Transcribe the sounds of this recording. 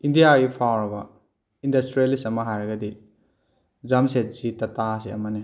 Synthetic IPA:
indijaɡipʰawɾɐbɐ | indɐstɾielisɐmɐɦajɾɐɡɐdi | zamset̚zitɐtas̬eɐ̰mɐni

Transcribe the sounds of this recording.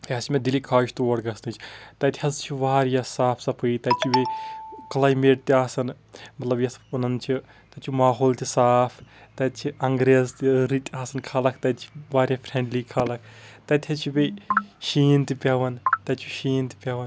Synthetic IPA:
jɐsmʲed̪ilikʰaːʃʰt̪uɐɽɡɐsnɨt͡ʃʰi̥t̪ɐt̪ʰʲhɐzt͡ʃʰiʋaːɾjaːsaːpʰsɐpʰɨjt̪ɐt͡ʃʰibeklaːjmeːʈ̚t̪iaːsɐn | mɐt̪lɐbjɐspɐnɐnt͡ʃʰi | t̪ɐt͡ʃʰimaːɦoːlt̪ʰʲisaːpʰt̪ɐt͡ʃʰiɐŋɡɾezt̪iɾit̪ʲaːsɐnkʰaːlɐkʰt̪ɐtt͡ʃʰi̥ʋaːɾʲjapʰɾẽɳɖlikʰaːlɐkʰt̪ɐt̪ʰʲɐt͡ʃʰibeʃiːnt̪ipʲaʋɐnt̪ɐt͡ʃʰuʃiːnt̪i̥pʲaʋɐn

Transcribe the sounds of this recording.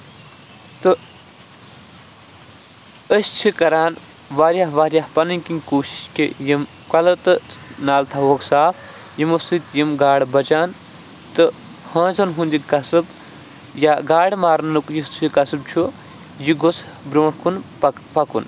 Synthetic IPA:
t̪ɨ | əsʲt͡ʃʰikɐɾaːn | ʋaːɾʲjaːɦʋaːɾʲjahpɐnɨnʲkinʲkoːʃi̥ʃkʲijim | kɐlɐt̪ɨnaːlt̪ʰaʋoksaːf | jimusɨːt̪jimɡaːɽbɐt͡ʃaːn | t̪ɨ | hɐ̃ːnzɐnɦũnd̪ikɐsɨb | jaːɡaːɽmaːɾnnɨkjist͡ʃʰikɐsɨb̚t͡ʃʰu | jiɡosʰ | bɾoːɳkʰun | pɐkun

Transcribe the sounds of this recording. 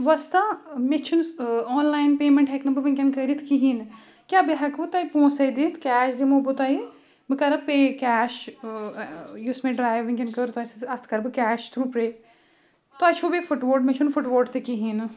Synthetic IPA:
ʋɐst̪amet͡ʃʰunsɔːnlaːjnpeːmeɳʈɦeknɐbɨʋiŋkʲɐnkəɾit̪ʰkiɦiːn | kʲjaːbiɦɐkbɨt̪aːipõːsɐjd̪it̪ʰkʲɛːʃd͡ʒimobut̪aːi | bɨkɐɾɐpeːkɛːʃ | jusmẽɖɾaːjʋiŋkʲɐnkəɾt̪ɐsiɐt̪ʰkɐɾbɨkʲɛːʃt̪ʰɾupɾeː | t̪oɐt͡ʃʰubifuʈʋoːʈmet͡ʃʰunfuʈʋoːʈt̪ekiɦin

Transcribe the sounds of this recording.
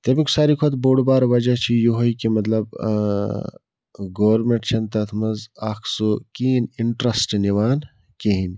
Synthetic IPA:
t̪ɐmiksaːɾikʰot̪boːɽbaːɾʋɐd͡ʒat͡ʃʰijoɦoikimɐt̪lɐb | ɡoʋɾmeɳʈt͡ʃʰɐnt̪ɐt̪ʰmɐzɐkʰsokiːniɳʈɾɐsʈniʋaːn | keɦin

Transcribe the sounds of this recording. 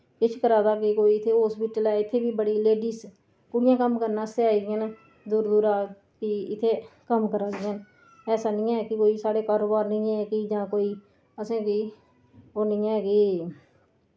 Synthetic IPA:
ɪt͡ʃʰkəɾaːd̪aːkɪkoːiːɪt̪ʰːeːɦoːspiːʈəlɛːɪt̪ʰːeːbiːbəɽiːleːɖiːs | kʊɽɪjãːkəmkəɾnãːseaːiɡɪjən | d̪ʊɾd̪ʊːɾaː | kɪɪt̪ʰːeːkəmkəɾaːd̪ɪən | ɛːsaːnɪ̃ːɛːkɪkoːiːsaːɽeːkaːɾoːbaːɾnɪ̃ːɛːkiːd͡ʒãːkoːiː | əsẽːkɪː | oːnɪ̃ːɛːkɪ

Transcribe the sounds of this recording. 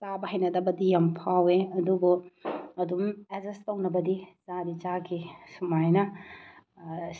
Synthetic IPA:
t͡ʃabɐɦɐjnɐdɐbɐdijɐmpʰaweɐdubuɐdumezestɐwnɐbɐdit͡ʃadit͡ʃaɡisumajnɐ

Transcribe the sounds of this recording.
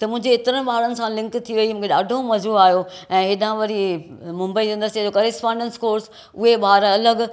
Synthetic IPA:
t̪ɐmʊ̃ɦɪ̃ɲd͡ʑeːt̪ɪɾənɪ̆ɓaɦːɾənɪ̆sãlɪ̃ŋkt̪ʰiʋɐimũːkʰeɗa̰ːɖʱomɐzuːɾaːɦjoɛ̃ːɦɪɗãʋɐɾimʊ̃mbəisɐ̃nd̪əɾsed͡ʑokɐɾɪspãːɳɖə̃nskoːɾs | ʊɦeɓaːɾɐləɡ

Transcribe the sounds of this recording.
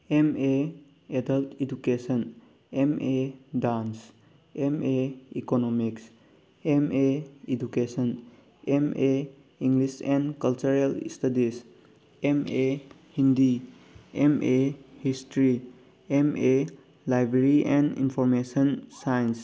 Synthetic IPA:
eme | edəltid͡ʒukesən | emedans | emeikonomiks | emeid͡ʒukesən | eme | iŋɡlisɛ̃nkɐlt͡ʃuɾelḭstadis | eme | hindi | emʔehistɾi | eme | lajbɾeɾiʔɛ̃nḭnpʰɔɾmesənsajns

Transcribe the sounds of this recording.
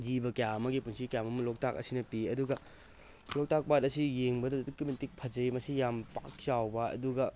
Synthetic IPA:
d͡ʒibɐkɐjaɐmɐɡipunsikɐjamɐmɐlok̚tak̚ɐ̰sinɐpiɐduɡɐ | lok̚tak̚batɐsijeŋbɐdɐdukimintik̚pʰɐd͡ʒɐimɐsijampa̰k̚t͡ʃawbɐɐ̰duɡɐ

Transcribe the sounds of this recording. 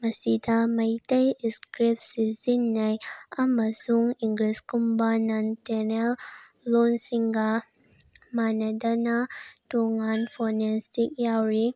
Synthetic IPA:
mɐsidamɐjtɐjiskɾip̚sizinːajamazuŋiŋɡliskumbanantɛnɛl | lonsiŋɡa | manadanatoŋanfɔnɛstik̚jawɾi

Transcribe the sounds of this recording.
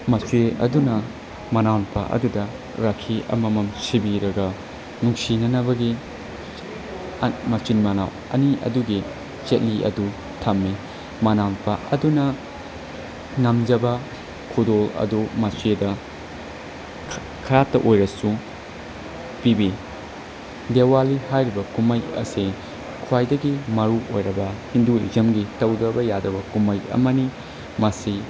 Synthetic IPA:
mɐt͡ʃueɐ̰dunɐ | mɐnawnpʰɐ̰ʔɐ̰dudɐ | ɾakʰːiʔɐ̰mɐmɐmsibiɾɐɡɐ | nuŋsinɐnɐbɐɡi | mɐt͡ʃinmɐnaw | ɐ̰niʔɐ̰duɡi | t͡ʃet̚liʔɐ̰du | tʰɐmːi | mɐnawnpʰɐʔɐdunɐ | ŋɐmd͡ʒɐbɐ | kʰudolɐ̰dumɐsedɐ | kʰɐɾatːɐʔojɾɐsu | pibi | dewalihajɾibɐkumɐjɐ̰si | kʰwajdɐɡimɐɾuʔo̰jɾɐbɐhinduḭzɐmɡitɐwdɐbɐjadɐbɐkumɐjɐ̰mɐni | mɐsi

